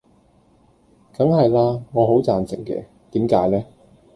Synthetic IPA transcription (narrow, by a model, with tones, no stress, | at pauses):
kɐ˨˥ŋhɐ˨jlaː˧ŋɔː˨˧ɦo˨˥wt͡saː˨nsɪ˨˩ŋkɛ̰ː˧ | t̪iː˨˥mkaː˨˥jlɛː˥